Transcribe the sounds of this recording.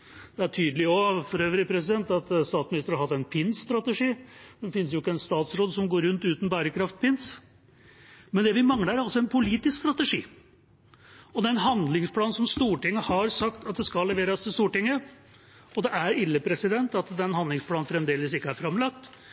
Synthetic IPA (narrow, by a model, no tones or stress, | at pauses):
d̪̥ɛæʈʰyːd̪əlɪɔfɔɾøːʋɾɪpʰɾɛs̬ɪd̪ɛnt̪ɑt̪st̪ɑːt̪smɪnɪst̪əɾhɑɾhɑt̪ːɛnpʰɪnsst̪ɾɑt̪əʂiːd̪ɛfɪnːəsjʊɪkːəɛnst̪ɑːt̪sɾoːd̪sɔmɡoːɾʉnt̪ʉːt̪n̩bæːɾəkʰɾɑft̪̚pɪns | mɛnd̪ɛʋɪmɑŋəɾæɾɑlsɔɛnpʰʊliːt̪ɪskst̪ɾɑt̪əʂḭː | ɔd̪ɛnɦɑnd̪lɪŋspʰlɑːn̩sɔmst̪uːʈɪŋːəhɑɾsɑkt̪ɑt̪̚d̪ɛskɑlːɛʋeːɾɑst̪ɪlst̪uːʈɪŋːə | ɔd̪ɛʔæɾɪlːəpʰɾɛsɪd̪ɛnt̪ɑt̪d̪ɛnhɑnd̪lɪŋspʰlɑːn̩fɾɛmd̪eːləsɪkːəæɾfɾɑmlɑk̚t̪